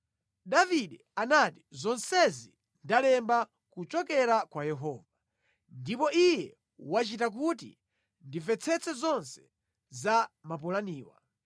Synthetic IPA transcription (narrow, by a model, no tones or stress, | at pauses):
daviɗɛanati̥zɔnsɛzi | ndalɛmba | kut͡ʃɔkɛɾakwajɛɦɔːva | ndipɔʔijɛ | wat͡ʃitak̬utḭ | ndivɛt͡sʰɛt͡sɛzɔnsɛ̥ | zamapulaniːwa̰